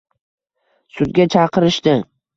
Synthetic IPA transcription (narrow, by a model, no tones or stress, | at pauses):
sʊd̪̚ɡʲat͡ʃʰɑqʰɨɾɪʃt̪ɪ